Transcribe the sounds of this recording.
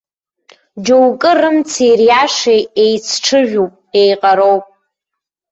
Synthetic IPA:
d͡ʒowkʼɨrɨmt͡sʰirjaʂejejt͡sʰʈ͡ʂʰɨʒᶣupʼejqʼaɾowpʼ

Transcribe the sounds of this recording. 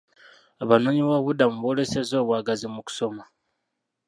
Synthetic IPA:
aβano̞ːɲiβaβudamuβole̞se̞zo̞ːβwaːɡazimuku̥so̞ma

